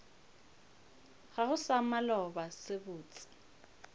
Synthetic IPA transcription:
ɣahʊsamalɔbasɪbʊːt͡sʼɪ̥

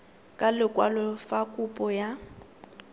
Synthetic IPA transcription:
kʼalɪkʼwalɔfakʼupʼɔja

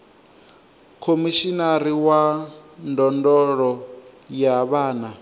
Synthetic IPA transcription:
kʰomiʃinaɾiwandɔndɔɺɔjaβaːna

